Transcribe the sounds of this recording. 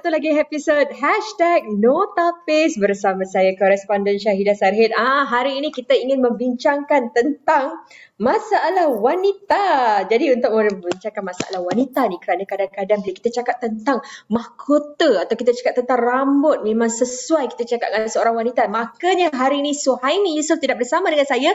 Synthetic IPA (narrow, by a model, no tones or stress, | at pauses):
at̪ulaɡiɦepisot̚ɦɛʃtɛk̚not̪apɪsbərsamãsajakɔɾɛspɔndɛnʃaɦidasarɦɛt̪̚aɦaɾiːnikit̪aiŋɪnmə̃mbiɲt͡ʃaŋkant̪ənt̪aŋ | mãsaːlahwanit̪ad͡ʒadiunt̪ʊk̚məbiɲt͡ʃaŋkanmasaʔa̰lahwanit̪anikəɾanakadankadanbəliaki̥t̪at͡ʃakap̚t̪ːənt̪aŋmahkʰot̪əat̪awkit̪at͡ʃakatp̚t̪ənt̪aŋrambʊt̪̚mẽmãŋsəsuajki̥t̪at͡ʃakat̪̚ŋasəoɾaŋwanit̪amakaɲaɦaɾiːnisuhajnĩjusʊft̪idaʔ̚bərsamadəŋansaja